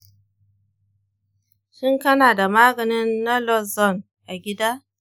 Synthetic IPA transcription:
ʃɪ˦ŋkɐ˦naː˨da˨maː˦ɡɐ˨nɪ˦nːa˦lɔ˦˨sɔ˦˨n | ʔa˨ɡʲɪ˦daː˦

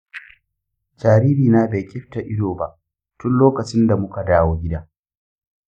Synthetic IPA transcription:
d͡ʒaː˨ɾi˦biː˨naː˦be˨kʲʼɪ˦ɸta˨ʔɪ˦doː˨ba˨ʔ | tʊ˦nloː˦kɐ˨t͡ʃɪ˦nda˨mʊ˦ka˨daː˦woː˦ɡʲɪ˦daː˦

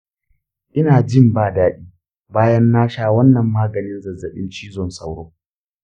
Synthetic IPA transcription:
ʔɪ˦naː˨d͡ʒɪ˦mbaː˨daː˦ɗiː˦ | baː˦jɐ˦nːaː˦ʃaː˦wɐ˦nːɐ˨mːaː˦ɡɐ˨nɪ˦nzɐ˨zɐ˨ɗɪ̰˦nt͡ʃiː˦zɔ˦˨nsa˦wɽoː˦

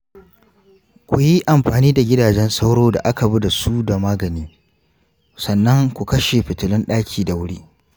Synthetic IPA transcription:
kʷʊ˨ji˦ʔa˨mɸaː˨niː˦da˨ɡʲɪ˦daː˨d͡ʒɛ˦nsɐ˦wɽoː˦da̰˨ʔa˦ka˨bu˦da˨su˦da˨maː˦ɡɐ˨niː˦ | sɐ˨nːɐ˦ŋkʷu˨kɐ˦ʃe˨ɸɪ˨tʊ˨lɪ˦nɗaː˦kʲʰiː˨da˨wʊ˦ɽiː˦

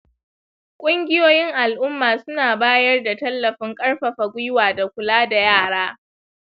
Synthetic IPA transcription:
kʷʼʊ˦ŋɡʲɪ˦joː˦jɪ˦ŋʔa˨lʔʊ˦mːaː˨sʊ˦naː˨baː˦jɐ˦rda˨tɐ˦lːɐ˨ɸɪ˦ŋkʼɐ˦ɽɸɐ˨ɸa˨ɡʷʊ˦jwaː˨da˨kʷʊ˨laː˦da˨jaː˦˨ɽaː˦

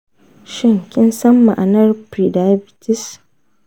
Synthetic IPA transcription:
ʃɪ˦˨ŋkʲɪ˦nsɐ˦mːa̰˨ʔa˨nɐ˦rpɾi˨da˦jbɪ˨tɪ˦s

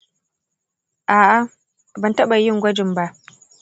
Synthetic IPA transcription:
ʔaː˨ʔa˦ | bɐ˨ntɐ˦ɓa˨jɪ˦ŋɡʷɐ˦d͡ʒɪ˨mba˦ʔ

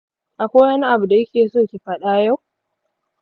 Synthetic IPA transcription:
ʔa˨kʷaː˦wɐ˦ni˦ʔa˨bu˨da˨jɐ˦kʲeː˨soː˦kʲi˨ɸɐ˦ɗaː˦ja˦˨w

